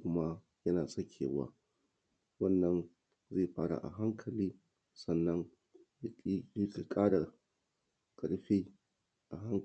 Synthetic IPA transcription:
kʷʊ˦ma˦ | jɐ˦naː˨sʼɐ˦kʲʰḛː˨wa̰ː˦ | wɐ˦˨nːɐ˦n | zeː˦˨ɸaː˦ɽa̰˨ʔa̰˨ɦa˦ŋkʰɐ˨liː˦ | sɐ˦˨nːɐ˦ŋ˨˦ | ki˨kʼaː˦ɽa˨ | kʼɐ˨ɽɸiː˦ | ʔa˨ɦa˦ŋ

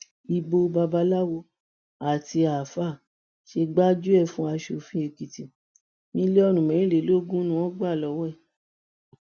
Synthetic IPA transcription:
i˧bo˧ba˧ba˧la˦wo˧ | a˨ti˧a˨fa˦˨ | ʃe˧ɡ͡ba˦d͡ʒu˦ɛ˦˨fũ˦a˧ʃo˧˨fĩ˦e˧ki˨ti˨ | nĩ˦le˦ɔ˦nũ˨mɛ̃˨˦ɾ̃ĩ˦le˨˦lo˦ɡũ˦nũ˧˦wɔ̃˦ɡ͡ba˦˨lɔ˧˦wɔ˦ɛ˦˨

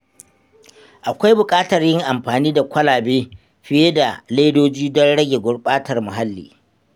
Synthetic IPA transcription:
ʔa˨kʷa˦jbʊ˨kʼaː˦tɐ˨rjɪ˦ŋʔa˨mɸaː˨niː˦da˨kʷɐ˦laː˨beː˦ | ɸɪ˦je˦da˨le˦doː˦d͡ʒiː˦dɔ˦nɽɐ˦ɡʲe˨ɡʷʊ˦ɽɓʼaː˦tɐ˨rmʊ˨ɦa˦lːḭː˨

